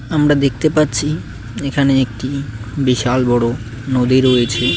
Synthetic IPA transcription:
amɾad̪ek̚ʰt̪epatːɕʰi | ekʰaneek̚ʈibiʃalbɔɽo | nod̪iɾojet͡ɕʰe

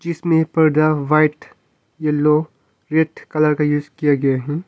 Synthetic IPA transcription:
d͡ʒɪsmẽpɐɾd̪aʋaɪʈ | jelo | ɾeʈkɐləɾkajuːzkijaɡɐjaɦɛ̃ː

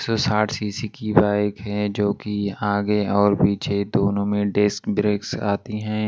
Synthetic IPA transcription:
sɔsaːʈʰsiːsikibaːɪkɦɛd͡ʒoːkiaːɡeɔːɾpiːt͡ʃʰed̪oːnõmẽɖɪskbɾeːksa̰ːt̪iɦɛ̃ː

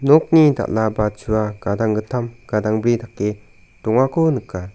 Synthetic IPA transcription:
nɔk̚nida̰ʔlabat͡ʃʰuaɡ̥adaŋɡɯtʰamɡ̥adaŋbɾidakːe | tɔŋakʰonɯkːa

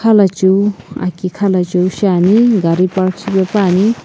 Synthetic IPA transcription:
kʰalat͡ʃuwa̰kikʰalat͡ʃuwʃaniɡaɾipaɾksibepani

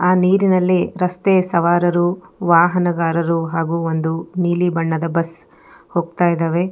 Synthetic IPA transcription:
aːniːɾinɐlːiɾɐst̪esɐʋaːɾɐɾuʋaːɦɐnɐɡaːɾɐɾuɦaːɡuːond̪uniːlibɐɳːɐd̪ɐbɐs | hoːɡ̚t̪aːjid̪eːʋe̞

